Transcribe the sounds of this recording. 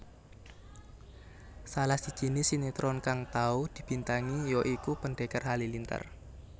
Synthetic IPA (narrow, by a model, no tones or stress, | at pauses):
salahsid̥ʒ̥i̤nisinit̪ɾɔnkaŋt̪aud̪̥i̤b̥i̤nt̪aŋijɔʔikupəɳɖekərɦalilint̪ə̰r